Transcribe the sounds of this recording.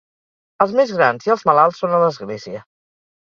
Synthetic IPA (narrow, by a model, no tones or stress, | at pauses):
əlˠzmezɣɾanziəlˠzməlalˠsːonələzɣleziə